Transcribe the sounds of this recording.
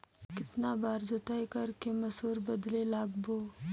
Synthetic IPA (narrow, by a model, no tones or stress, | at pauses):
kɪt̪nabaɾd͡zot̪ajkəɾkeməsuːɾbəd̪lelaɡbo